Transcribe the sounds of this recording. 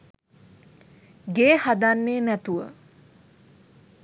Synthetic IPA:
ɡeːhad̪anːeːnæt̪uʋə̰

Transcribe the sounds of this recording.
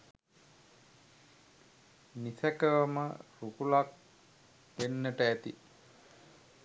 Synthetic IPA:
nisækəʋəmə̰ɾukulak̚ | ʋenːəʈəæt̪ḭ

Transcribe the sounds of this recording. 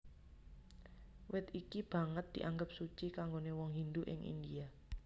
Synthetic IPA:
wɪt̪ikib̥a̤ŋət̪̚d̪̥iʔaŋɡəp̚sut͡ʃikaŋɡonewɔŋɦind̪uʔɪ̰ŋʔḭnd̪ia

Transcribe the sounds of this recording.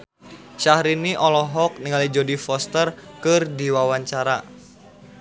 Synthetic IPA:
ʃahɾiniʔɔlɔɦɔk̚niŋalid͡ʒodifɔst̪ərkɨrdiwawaɲt͡ʃaɾa

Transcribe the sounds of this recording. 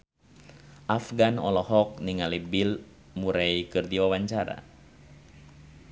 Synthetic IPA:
ʔafɡanɔ̰lɔhɔk̚niŋalibil | muɾajikɨrdiwawaɲt͡ʃaɾa̰

